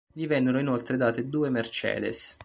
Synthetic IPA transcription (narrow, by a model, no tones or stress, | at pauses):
ʎivɛnːeɾoinolt̪ɾed̪aːt̪ed̪uːemert͡ʃɛ̰ːd̪ḛs